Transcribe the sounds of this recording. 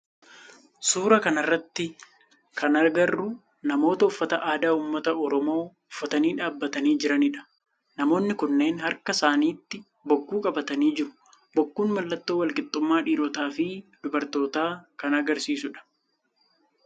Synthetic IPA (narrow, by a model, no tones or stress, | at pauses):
suːɾɐkɐnɐrːɐt̪ːɪ | kʰɐnɐɾɡɐrːʊ | nɐmo̞ːt̪ɐʊfːɐt̪ɐʔaːd̪aːuːmːɐt̪ɐɔɾɔmo̞ː | ʊfːɐt̪ɐniːᶑaːbːɐt̪ɐniːd͡ʒɪɾɐnɪᶑɐ̥ | nɐmo̞ːnːɪkʊnːe̞ːnhɐɾkɐsaːniːt̪ːɪ | bɔkːuːkʼɐbɐt̪ɐniːd͡ʒɪɾʊ | bɔkːuːnmɐlːɐt̪ːoːwɐlkʼɪt̪ʼːʊmːaːᶑiːɾɔt̪aːfɪd̪̥ʊbɐɾt̪o̞ːt̪aːkɐnɐɡɐɾsiːsʊᶑɐ̥